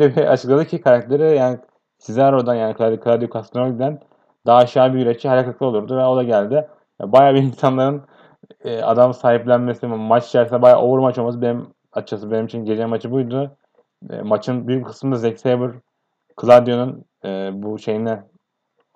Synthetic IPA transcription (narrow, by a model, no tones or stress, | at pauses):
lʲbia̰t͡ʃʰɯklˠad̪ɯcʰikʰaɾak̚t̪ʰe̞ɾijaːni | sizlʲæɾo̞d̪anjaːnikʰlˠad̪kʰɯlˠad̪jokʰast̪ʰɾolʲid̪æn | d̪̥aːʃaːbijyɾet͡ʃʰihaɾakaklˠɯolˠuɾd̪uvɛod̪ˠaɟælʲd̪ɪ | ɛ̰bajaːbiinsanlˠaɾɯn | ɛːa̰d̪amsaːɦiplʲænme̞simat͡ʃi̥t͡ʃʰæɾsinɛbaja̰ːʔouɾmat͡ʃomasɯbe̞nim | at͡ʃʰasɯbe̞nimit͡ʃʰinɟed͡ʒɛmat͡ʃʰɯbujd̪ʊ̰ | mat͡ʃʰɯnbyjykʰɯ̥smɯnazɛcsejbɯɾ | kʰɯlˠad̪jo̞nun | ɛːbuʃe̞jinɛ